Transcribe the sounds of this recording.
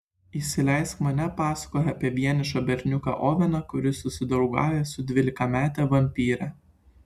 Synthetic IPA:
iʃʲsʲɪlʲɛɪskmɐnʲɛpɑːsɐ̥koːjɐpʲiɛʋʲiɛnʲɪʃɐbʲɛɾʲnʲʊkɑ̰ʔɔːʋʲɛnɐkʊɾʲɪsʊsʲɪd̪ɐʊɡɑ̰ːjɛsʊd̪ʲʋʲɪlʲɪkɐmʲæːt̪ʲɛʋɐmʲpʲiːɾʲɛ

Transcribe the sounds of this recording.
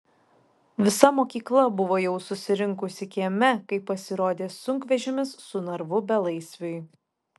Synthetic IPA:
ʋʲɪsɐmoːkʲiːklˠɐbʊʋoːjɛʊsʊsʲɪɾʲɪŋkʊsʲɪkʲeɛmʲɛkɐɪpːɐsʲɪɾoːd̪ʲeːsʊŋkʋʲɛʒʲɪmʲɪsːʊnɐɾʋʊbʲɛlˠɐɪsʲʋʲoɪ

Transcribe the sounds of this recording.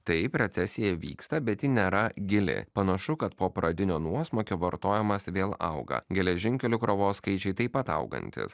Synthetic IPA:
t̪ɐɪpɾʲɛt̪sʲɛsʲɪjɛʋʲḭːkst̪ɐbʲɛt̪jɪnʲeːɾɐɡʲɪlʲɪ̰pɐnɐʃʊkɐt̪poːpɾɐd̪ʲɪnʲoːnuɔsmoːkʲoːʋɐɾt̪oːjɛmɐsʋʲeːlˠɐ̰ʊɡɐ̰ɡʲɛlʲɛʒʲɪŋʲkʲɛlʲʊkɾoʋoːskɐɪt͡ʃʲɛɪt̪ɐɪpːɐt̪ɐ̰ʊɡɐ̰nʲt̪ʲɪ̰s

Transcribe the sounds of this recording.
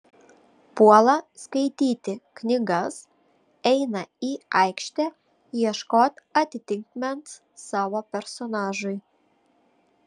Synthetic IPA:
puɔlˠɐskɐɪt̪ʲiːt̪ʲɪknʲɪɡɐs | ɛɪnɐiɐɪkʃʲt̪ʲɛ | jiɛʃkoːt̪ʲɐt̪ʲɪt̪ʲɪŋkmʲɛnt̪s | sɑːʋoːpʲɛɾsonɑːʒʊj

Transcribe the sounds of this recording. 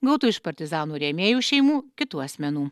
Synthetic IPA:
ɡɐʊt̪uːɪʃpɐɾʲt̪ʲɪzɑːnuːɾʲeːmʲeːjuːʃʲɛɪmuːkʲɪt̪uːɐsʲmʲɛnuː

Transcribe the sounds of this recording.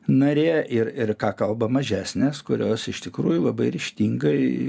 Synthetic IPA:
nɐɾʲeːʔɪrɪrkɑːkɐlˠbɐmɐʒʲæːsʲnʲeːskʊɾʲoːsɪʃt̪ʲɪkɾuːjʊlˠɐbɐɪɾʲɪʃʲt̪ʲiːŋɡɐɪ

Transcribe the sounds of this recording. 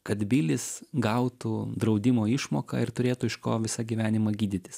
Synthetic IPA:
kɐt̪bʲilʲɪsɡɐʊt̪uːd̪ɾɐʊd̪ʲɪmoːɪʃmoːkɐ̰ɪɾt̪ʊɾʲeːt̪ʊɪʃko̰ːʋʲɪsɐɡʲiʋʲæːnʲɪmɐɡʲiːd̪ʲɪt̪ʲɪ̥s

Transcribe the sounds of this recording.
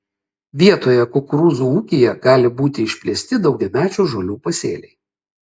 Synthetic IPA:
ʋʲiɛt̪oːjɛkʊkɾuːzuːuːkʲejɛɡɑːlʲɪbuːt̪ʲɪɪʃʲpʲlʲiɛsʲt̪ʲɪd̪ɒʊɡʲɛmʲæːt͡ʃʲuːʒolʲuːpɐsʲḛːlʲɛɪ

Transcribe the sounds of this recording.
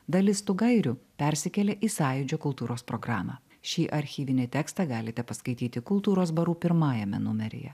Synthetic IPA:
d̪ɐlʲɪst̪ʊɡɐɪɾʲʊpʲɛɾʲsʲɪkʲɛlʲɛʔiːsɑːjʊd͡ʒʲoːkʊlˠt̪uːɾoːspɾɔɡɾɑːmɑ̰ː | ʃʲiːʔɐɾʲxʲiːʋʲɪnʲɛt̪ʲɛːkst̪ɑɡɑːlʲɪt̪ʲɛpɐskɐɪt̪ʲiːt̪ʲɪkʊlˠt̪uːɾoːsbɐɾuːpʲɪɾmɑːjɛmʲɛ̰nʊmʲɛɾʲɪ̰jɛ̰

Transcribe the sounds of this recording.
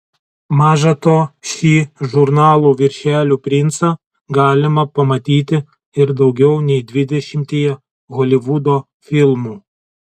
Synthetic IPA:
mɑːʒɐt̪oːʃʲiːʒʊɾnɑːlˠuːʋʲɪɾʲʃʲæːlʲuːpʲɾʲɪnt̪sɑ | ɡɑːlʲɪmɐpɐmɐt̪ʲiːt̪ʲɪ | ɪɾd̪ɐʊɡʲɛʊnʲɛɪd̪ʲʋʲɪd̪ʲɛʃʲɪmʲt̪ʲeːjɛ | ɣɔːlʲɪʋʊd̪oː | fʲɪlˠmuː

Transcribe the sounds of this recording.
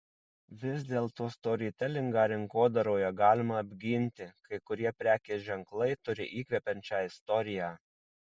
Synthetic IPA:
ʋʲɪzd̪ʲeːlˠt̪oːst̪oːɾʲiːt̪ʲɛlʲɪŋɡɑːɾʲɪŋkoːd̪ɐɾoːjoɡɑːlʲɪmɐɐbʲɡʲɪnʲt̪ʲɪkɐɪkʊɾʲiɛpʲɾʲæːkʲeːʒʲɛŋklˠɐɪt̪ʊɾʲɪ̰ʔiːkʲʋʲɛpʲɛnʲt͡ʃʲɑːɪst̪ɔɾʲɪjæː

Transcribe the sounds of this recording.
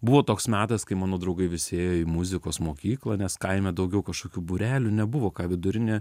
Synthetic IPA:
bʊʋoːt̪oːksmʲæːt̪ɐskɐɪmɑːnoːd̪ɾɐʊɡɐɪʋʲɪsʲeːjoːiːmʊzʲɪkoːsmoːkʲiːklˠɐːnʲɛskɐɪmʲɛd̪ɐʊɡʲɛʊkɐʃkoːkʲuːbʊɾʲæːlʲʊnʲɛbʊʋoːkɑːʋʲɪd̪ʊɾʲɪnʲeː

